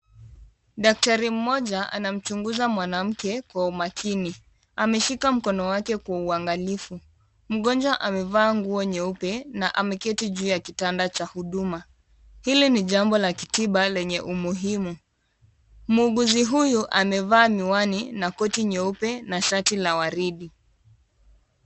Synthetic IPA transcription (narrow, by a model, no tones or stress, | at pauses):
ɗak̚taɾim̩mɔʄaʔa̰nam̩t͡ʃuŋɡuzamwanam̩kɛkwaumakʰini | amɛʃikam̩kɔnɔwakɛkwauaŋɡalifu | m̩ɠɔnd͡ʒwaʔamɛvaːŋɡuɔɲɛupɛnaʔamɛkɛtiʄuːjakitandat͡ʃahuɗuma | hiliniʄambɔlakitiɓalɛɲɛʔumuɦimu | muːɠuziɦujuʔamɛvaːmiwaninakɔtiɲɛupɛnaʃatilawaɾiɗi